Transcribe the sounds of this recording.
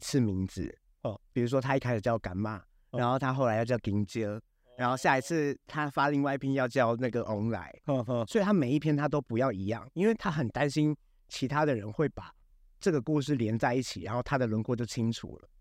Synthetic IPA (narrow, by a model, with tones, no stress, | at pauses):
t͡sʰɹ̩˥˧mi˧˦˥ŋd͡zɹ̩̰˧˨˧ | pi˨˩u˧˥ʂ̬wɔ˥t̪ʰa˥i˥kʰa˥ɪʂɻ̩˨˩t͡ɕjɑ˥˩ʊka˧˥nma˥˩ | ɻa˧˦nxo˥˩ʊt̪ʰa˦xo˥˩la˧˦ɪjɑ˥˧ʊt͡ɕjɑ˥˩ʊki˧˥ŋt͡ɕjə˥ | ɻa˧˦nxo˥˧ʊɕja˥˩i˧˥t͡sʰɹ̩˥˩t̪ʰa˦fa˦li˥˧ŋwa˥˧ɪi˧pʰi˥njɑ˥˧ʊt͡ɕjɑ˥˧ʊna˥˩ɡə˩ʔɔ˧˥ŋla̰˨˧˦ɪ˧swɔ˧˥i˨˩t̪ʰa˥me˨˩ɪi˥˩pʰjɛ˥nt̪ʰa˥t̪o˥ʊpu˧˦jɑ˥˩ʊi˧˥jɑ̰˥˨ŋi˥nwe˥˩ɪt̪ʰa˦xə˨˩nt̪a˦˥nɕi˥n | t͡ɕʰi˧˥t̪ʰa˥d̪ə˨ɻə˧˦nxwe˥˩ɪpa˨˩ | ʈ͡ʂɤ˥˩ɡə˩ku˥˧ʂ̬ɹ̩˥˩ljɛ˧˥nt͡sa˥˧ɪi˥˩t͡ɕʰi˨˩ɻa˧˦nxo˥˩ʊa˥d̪ə˨lwə˧˥nkwɔ˥˧t͡ɕjo˥˩ʊt͡ɕʰi˦ŋʈ͡ʂʰṵ˨˩lə̰˦